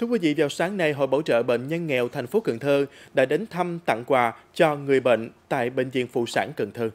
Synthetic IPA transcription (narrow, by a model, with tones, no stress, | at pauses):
t̪ʰu˧˥əkwi˨˦vḭ˧˨vaː˨˩wsaː˨˦ŋna˨˩jɦo̰˧˨jɓo˧˩wt͡ɕə̰ː˧˨ɓə̰˧˨n̟ɲə˧nŋɛ˨˩wt̪ʰɛ˨˩jŋ̟fo˨˦kɨ˧˩˨ŋt̪ʰɨ˧ɗa̰ː˧˥ɗe˨˦nt̪ʰə˧mt̪a̰˧˨ŋkwaː˨˩t͡ɕɔ˧ŋɨ˨˩əjɓə̰˧˨ŋ̟t̪a̰ː˧˨jɓḛ˧˨ŋ̟zḭ˧˨ənfṵ˧˨saː˧˩nkɨ˧˩ŋt̪ʰɨ˧